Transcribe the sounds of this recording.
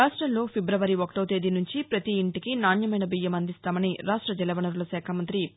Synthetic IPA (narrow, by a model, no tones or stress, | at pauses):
aːʂʈɾɐmlo̞ːpʰibɾɐʋɐɾiokʈoːt̪e̞ːd̪inuɲt͡ʃipɾɐt̪iːɳʈikinaːnjɐmɐjnɐbijːɐmɐnd̪ist̪aːmɐniɾaːʂʈɾɐd͡ʒɛlɐʋɐnɐɾulɐsɛːkʰamɐnt̪ɾi